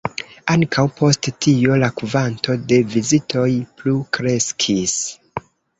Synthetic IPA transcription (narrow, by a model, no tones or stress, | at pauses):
aŋkʰawpʰo̞sttio̞lakuvanto̞de̞vizitʰo̞jplukɾe̞skʰis